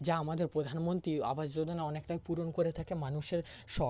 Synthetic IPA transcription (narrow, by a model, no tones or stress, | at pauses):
d͡ʑaamad̪eɾpɾod̪ʱanmont̪ɾia̰baʃd͡ʑod̪ʱonaɔnekʈajpuɾonkoɾet̪ʰakemanuʃeɾʃɔ